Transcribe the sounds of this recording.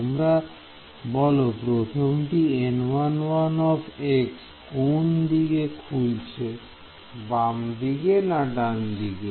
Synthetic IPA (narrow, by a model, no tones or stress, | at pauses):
mɾa | bɔlopɾot̪ʰomʈienwanwanɔpʰeks | kond̪iɡekʰult͡ɕʰe | bamd̪iɡenaʈand̪iɡe